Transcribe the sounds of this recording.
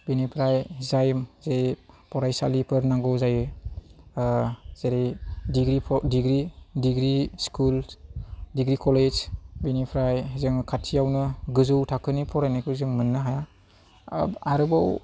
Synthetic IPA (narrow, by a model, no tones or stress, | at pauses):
binipʰɾajzajmzeɾepɔɾajsalipʰɯɾnaŋɡɔwzajɯ | z̥eɾidiɡɾipʰdiɡɾidiɡɾiskul | diɡɾikɔled͡ʒbinipʰɾajzɯŋkʰatʰijawnɯɡɯzɯwtʰakʰɯnipʰɔɾanikʰuzɯŋmɯnːɯɦaja | aɾɯbaw